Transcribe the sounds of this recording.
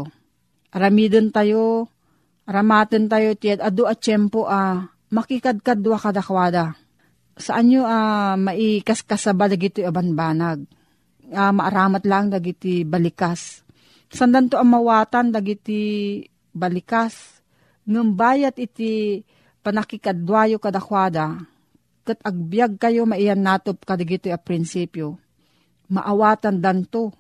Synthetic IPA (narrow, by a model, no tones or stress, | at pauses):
ʔɐɾɐmiːd̪ont̪ajo | ʔɐɾamaːt̪ɨnt̪ajot̪ɪjad̪ɐd̪oʔɐt͡ʃɛmpoʔa | mɐkikad̪̚kad̪uwakad̪akɐwaːd̪a | sɐʔaɲoamɐʔikaskasabad̪ɐɡɪt̪oabanbaːnaɡ̚ | amaʔaɾaːmat̪laŋd̪aɡɪt̪ibɐlɪkas | sand̪ant̪oʔɐŋmawaːt̪and̪aɡɪt̪ɪ | bɐlɪkas | ŋambaːjat̪̚ʔɪt̪ɪ | pɐnakɪkad̪waːjokad̪akwaːd̪a | kat̪ɐɡ̚bijaɡ̚kɐjomaʔɪjanːaːt̪op̚kad̪aɡɪt̪ojapɾɪnsiːpjo | maʔawaːt̪and̪ant̪o